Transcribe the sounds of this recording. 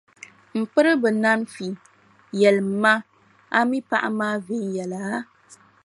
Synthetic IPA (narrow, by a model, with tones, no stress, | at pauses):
m̩˨k͡pɨ˦ɾɨ˦bɨ˨na˦nfi˨ | jɛ˨lɨ˨mː˨˦a˦ | a˦mi˦pa˦ʔa̰˦maː˦ve˨˦n˦jɛ˨la˨a˦